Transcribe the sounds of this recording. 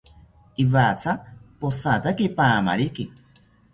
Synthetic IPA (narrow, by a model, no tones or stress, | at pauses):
iβat͡sʰaposat̪akipaːma̰ɾiki